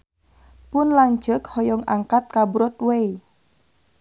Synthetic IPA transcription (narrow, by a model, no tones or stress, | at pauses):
pʊnlaŋ̥ʒ̥əkhɔjɔŋaŋkat̪̚kabuɾɔt̪̚wei